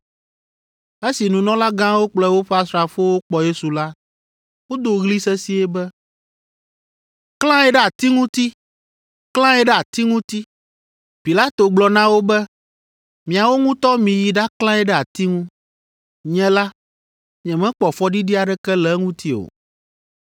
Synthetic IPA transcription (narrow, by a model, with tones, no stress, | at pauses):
e˦si˨nũ˨nɔ̃˦la˦ɡã˦wo˦k͡plɛ˦wo˦ɸɛ˦a˦sɾa˨fo˦wo˦k͡pɔ˨je˦su˨la˦ | wo˦d̪o˨ɣli˦sɛ˦si˦ɛ˦bɛ˦ | klã˦ɛ˦ɖɛ˦a˨t̪i˦ŋũ˦t̪i˦ | klã˦jɛ˦ɖɛ˦a˨t̪i˦ŋũ˦t̪i˦ | pi˨la˦t̪o˨ɡ͡blɔ˨nã˦wo˦bɛ˦ | mĩ˨a˨wo˦ŋũ˦t̪ɔ˦mĩ˨ji˨ɖa˦klã˦ɛ˦ɖɛ˦a˨t̪i˦ŋũ˦ | ɲɛ̃˦la˦ | ɲɛ̃˨mɛ̃˦k͡pɔ˨fɔ˦ɖi˦ɖi˦a˨ɖɛ˦kɛ˦lɛ˦ŋũ˦t̪i˦o̰˨